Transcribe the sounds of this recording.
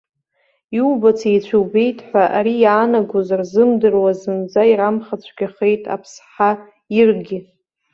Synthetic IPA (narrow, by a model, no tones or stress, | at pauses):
iubat͡sʰejt͡ɕʷʰuwbe̞jtʼħʷᶣaʔaɾijaːnaɡʷozarzɨmdɨrwazɨnd͡zaiɾamχat͡ɕʷʰɡʲaχe̞jtʼa̰pʰsħa | irɡʲɪ